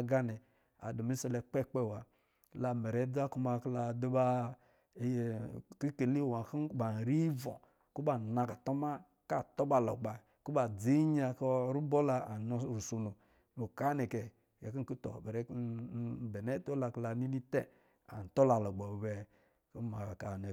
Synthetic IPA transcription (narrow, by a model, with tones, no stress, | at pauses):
ɡa˦nɛ˨ | a̰˨du˨mi˦sɔ˧lɛ˧k͡pɛ˦k͡pɛ˦˨wa˨˦ | la˧˨mɛ˨ɾɛ˨˦d͡za˦ku˦˧ma˧kla˧du˦ba˦˨ | ki˦ke˨li˦˨wa˨ki˦kba˨n˨ɾi˦vɔ̰˨ | ku˦ba˨na˧ka˨tɔ˦ma˦ | ka˦˨tɔ˦ba˨lɔ˨ɡ͡ba˨ | ku˦ba˨d͡zi˨˦ɲa˧kɾu˦bɔ˦la˧a˨nɔ˧˨ɾu˨so˨no˨ | no˨ka˦nɛ˨kɛ˨ | ja˨ki˦˨ku˦tɔ̰˨bɛ˨ɾɛ˨˦˨bɛ˨nɛ˦to˦la˧kla˨ni˦ni˦tɛ˦ | a̰˨n̩˨tɔ˦la˨lɔ˨ɡ͡ba˨bɛ˨ | ku˦ma˨ka˨nɛ˨